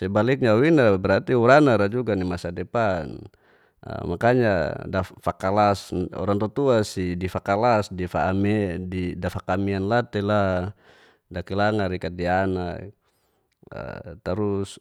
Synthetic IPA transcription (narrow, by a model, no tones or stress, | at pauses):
sɛbalik̚ɲawinabɛɾart̪iuɾanaɾad͡ʒuɡanimasadɛpan | ə̰makaɲadafakalasɔ̰ɾaŋt̪ɔt̪uasidifakalasdifamɛdidafakamianlat̪ɛla | dakilaŋaɾikat̪̚diana | ə̰t̪aɾus